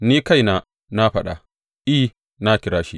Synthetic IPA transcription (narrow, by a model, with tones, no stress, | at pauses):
niː˦ka˦˨jna˦ | na˦ɸɐ˦ɗa̰˨ | ʔi˦h | na˦kʲɪ˨ɽaː˦ʃi˦